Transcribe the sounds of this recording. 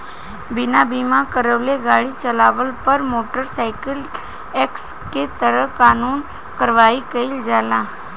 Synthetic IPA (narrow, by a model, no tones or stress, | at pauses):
bɪnabiːmãkəɾəʋleɡaːɽit͡ʃəlaːʋəlpɐɾmoːʈəɾsaːɪkəl | eks | ket̪əɾəkaːnuːn | kəɾʋaːikəɪld͡ʒaːlaː